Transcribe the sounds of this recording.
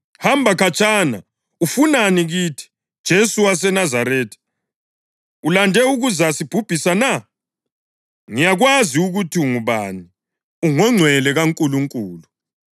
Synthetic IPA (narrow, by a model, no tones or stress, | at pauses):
hambʱakʰat͡ʃʼana | ufunaniɣitʰi̥ | d̥ʒ̥ʱesuwas̬ɛnazaɾɛːtʰi̥ | ulandʱɛuɣuzasib̥ʱub̥ʱisana | ŋijaɣwaziuɣutʰiuŋuβa̰ni | uŋɔŋ͡ǀʱwɛlɛɣaŋkʼuluŋkʼuːlu